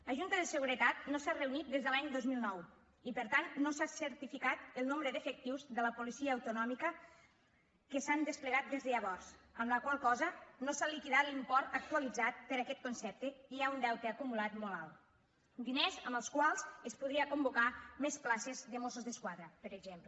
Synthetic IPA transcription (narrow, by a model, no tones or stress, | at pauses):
ləʒunt̪əðəsəɣuɾət̪at̪̚nosareunit̪̚d̪ezðəlaɲd̪ozmilˠnɔw | ipəɾt̪annosasəɾt̪ifikat̪əlˠnombɾəðefək̚t̪iwzðələpulisiəːwt̪unɔmikə | kəsand̪əspləɣat̪̚d̪ezðəʎəβ̞ɔrz̥əmləkwalˠkɔzənosalikiðat̪limpɔɾt̪ək̚t̪uəlid͡zat̪̚pəɾakɛt̪̚konsɛp̚t̪əiaund̪ɛwt̪əːkumulat̪mɔla̰l | d̪inezəməlˠskwalˠzəspuð̞ɾiəkumbukamesplasezðəmosuzðəskwaðɾəpəɾəɡzemp